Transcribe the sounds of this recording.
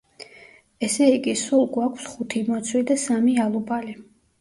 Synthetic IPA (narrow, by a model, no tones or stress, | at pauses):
ɛsɛiɡisulˠɡwakʰfsχut̪ʰimɔt̪sʰwid̪asamialˠubʰʼali